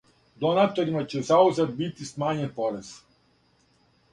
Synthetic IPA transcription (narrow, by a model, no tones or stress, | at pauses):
d̪onat̪oɾimat͡ɕɛzauzad̪̚bit̪ismaɲɛnpoɾɛz̥